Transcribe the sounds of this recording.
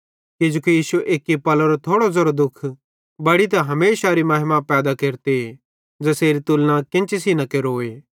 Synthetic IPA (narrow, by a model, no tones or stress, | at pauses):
kɪd͡ʒukijiːsueʔeːkːipɐloɾot̪ʰoːɽozɐɾod̪ʊkʰ | bɐɽit̪̬ɐ̃ɦɐmeːsaɾimɐɦɪmapɛːd̪akeːɾt̪ee | d͡ʒɛseːɾit̪ulnãkɪ̃nt͡ʃisinɐkeɾoːeː